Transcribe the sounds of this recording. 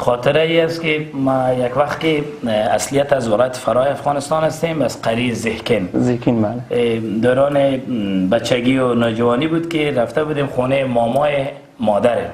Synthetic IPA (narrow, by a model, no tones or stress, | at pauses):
xɔt̪ɪɾaiast̪kɪmajakwaxt̪̚kɪ | a̰slijat̪azwɪlɔjat̪ɪ̥faɾɔjɪafɣɔnɪst̪ɔnast̪emazqaɾizɪhkɪnzekinbald̪aɾɔnɪbat͡ʃːaɡiʊnɔd͡ʒawɔnibud̪kɪɾaft̪abud̪emχunemɔmɔje | mɔd̪aɾɪ